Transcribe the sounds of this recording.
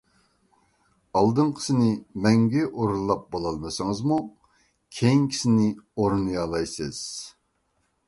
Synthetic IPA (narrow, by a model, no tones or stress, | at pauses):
ɑlˠd̪ɨnqʰə̥sɪnɪmɛŋɡʲɛʔoɾulˠːɑp̚bolˠɑlˠmɨsɨŋɨzmu | kʲʰejiŋkʲʰi̥sɪnɪoɾunɨjɑlˠɑjsɨz̥